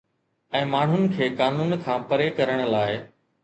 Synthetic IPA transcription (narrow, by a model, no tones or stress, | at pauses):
ɛ̃ːmaːɳ̤ɦʊnɪ̆kʰeːkaːnuːnkʰãːpɐɾekɐɾəɽ̃̆laːɪ